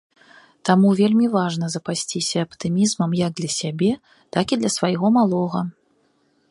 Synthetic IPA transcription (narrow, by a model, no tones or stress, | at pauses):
t̪amuvʲelʲmʲivaʐnɐzɐpasʲt͡sʲisʲɐːpt̪ɨmʲizmɐmjɐɡ̚d̪lʲɐsʲabʲɛ | t̪akid̪lʲɐsvajɣɔmalˠɔɣɐ